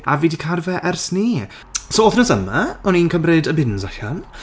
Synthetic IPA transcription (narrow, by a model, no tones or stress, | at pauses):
aviːdikʰarvɛʔɛrsni | soːɔːθnəsəmaɔninkʰəmreːdəbɪnzaɬan